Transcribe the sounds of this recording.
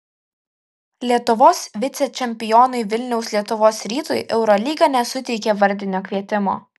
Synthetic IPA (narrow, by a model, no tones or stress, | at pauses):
lʲiɛt̪ʊʋoːsʋʲɪt̪sʲɛt͡ʃʲɛmʲpʲɪjɔːnɐɪʋʲɪlʲnʲɛʊsʲlʲiɛt̪ʊʋoːsɾʲiːt̪ojʔɛʊɾɔlʲiːɡɐnʲɛsʊt̪ʲɛɪkʲɛʋɐɾʲd̪ʲɪnʲoːkʲʋʲiɛt̪ʲɪmo̰ː